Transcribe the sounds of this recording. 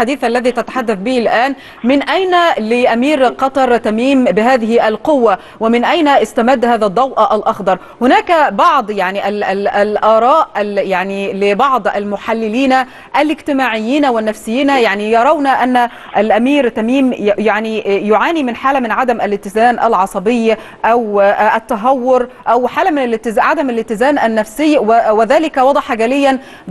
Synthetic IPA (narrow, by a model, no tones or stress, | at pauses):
ħad̪iːθʔalːaðiːt̪at̪ḁħad̪ːaθbiːlʔaːn | mɪnʔajnalɪʔamiːɾqɑt̪ˤɑɾˤt̪amiːmbɪɦaːðɪhɪʔalqʊwːa | wɪmɪnʔajnaʔɪst̪amad̪ːhaːðad̪ˤːɑwʔɑʔalʔɑxd̪ˤɑɾˤ | hʊnaːkabɑʕd̪ˤjaʕniʔalallʔɑːɾˤɑːʔjaʕnilɪbɑʕd̪ˤʔa̰lmʊħalːɪliːna | ʔælɪɡt̪ɪmaːʕɪjːiːnæwɪnːæfsɪjːiːnæjaʕnijɑɾˤɑwnæʔanːæ | ʔælʔæmiːɾt̪æmiːmjaʕnijʊʕaːnimɪnħaːlæmɪnʕad̪æmʔælɪt̪ɪzæːnʔæ̰lʕɑsˤɑbɪjːa | ʔæwʔæt̪ːæɦɑwːʊɾʔæwħaːlæmɪnælt̪ɪʕad̪æmælɪt̪ɪzæːnʔænːæfsɪjːwwɪðæːlɪkæwɑd̪ˤɑħɑɡæːlɪjːæn